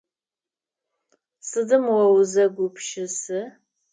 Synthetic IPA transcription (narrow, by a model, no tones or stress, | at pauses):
sɨdɨmwɐwzɐɡʷʊpʃɪsɨ